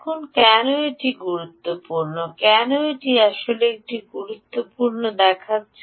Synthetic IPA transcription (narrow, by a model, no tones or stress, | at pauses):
kʰunkɛnoeʈiɡuɾut̪ːopuɾnokɛnoeʈiaʃoleek̚ʈiɡuɾut̪ːopuɾnod̪ɛkʰatː